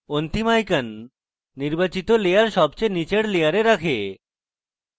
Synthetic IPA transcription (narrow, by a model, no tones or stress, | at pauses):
ont̪imajkanː | iɾbat͡ɕit̪olejaɾʃɔbt͡ɕenit͡ɕeɽlejaɾeɾakʰe